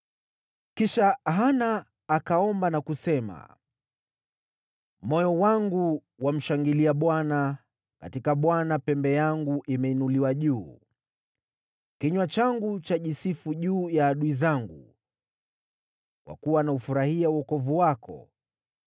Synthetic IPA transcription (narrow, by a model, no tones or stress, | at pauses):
kiʃaɦanaː | kaɔmbanakusɛma̰ | mɔjɔwaŋɡu | wam̩ʃaŋɡiliaɓwana | ka̰tikaɓwanapɛmbɛjaŋɡuʔimɛinuliwaʄuː | kiɲwat͡ʃaŋɡut͡ʃaʄisifuʄuːjaːɗuizaŋɡṵ | kwa̰kuwanaufuɾahiauɔkɔvuwakʰɔ̰